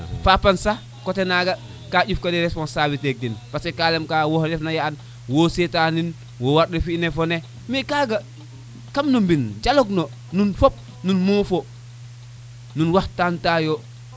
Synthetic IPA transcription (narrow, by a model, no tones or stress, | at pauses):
fapansa | kotenaɡa | kaɟufkadiɾespɔnsabitek̚dinpasekalemkawohlefnajaan | wosetanin | wowaɾɗefinefone | mikaːɡa | kamnombind͡ʒalokno | nunfop̚ | nunmoːfo | nunwaxtantajo